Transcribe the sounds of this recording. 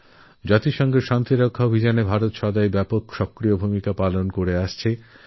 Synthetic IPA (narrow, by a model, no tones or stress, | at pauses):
d͡ʑat̪iʃɔŋɡeʃant̪iɾokʰːaobʱid͡ʑanebʱaɾot̪ʃɔd̪aebɛpokʃɔkɾiobʱumikapalonkoɾeaʃt͡ɕʰe